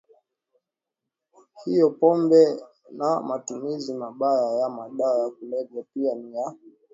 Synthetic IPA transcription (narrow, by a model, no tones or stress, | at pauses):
hijɔpɔmbɛ | namatumizimaɓajajamaɗaɔjak̚ulɛvapianija